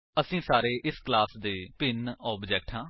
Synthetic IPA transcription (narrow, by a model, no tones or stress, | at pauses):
əsĩːsaːɾeːʔɪsklaːsd̪eːpɪnɔːbd͡ʒɛːk̚ʈɦãː